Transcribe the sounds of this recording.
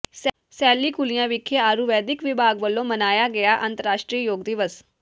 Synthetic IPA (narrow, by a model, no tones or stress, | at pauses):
s | sɛːlːiːkulijãʋɪkʰːeaːɾuʋɛːd̪ɪkʋɪbʱaːɡʋəlːõmənaːjaɡɛjaʔənt̪əɾaːʂʈɾijəjoːɡd̪ɪʋəs